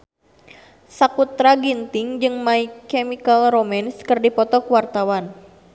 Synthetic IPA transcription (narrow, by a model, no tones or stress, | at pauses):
sakut̪ɾaɡint̪ɪŋd͡ʒɨŋmaikɛmikalromaniskɨrdipɔt̪ɔkuwart̪awan